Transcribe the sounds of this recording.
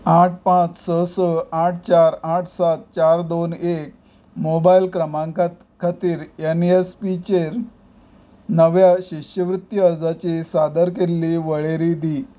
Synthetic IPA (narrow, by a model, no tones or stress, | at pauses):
aʈ̚ʰpãt͡ssəsəaʈ̚ʰt͡ɕaɾaʈʰsat̪̚t͡ɕaɾd̪onek̚ | mobailkɾəmãŋkat̪ | kʰat̪iːɾenespit͡ɕeɾ | nəʋjaɕiɕjəʋɾut̪jəəɾd͡zat͡ɕisad̪əɾkelːiʋəɭeɾid̪i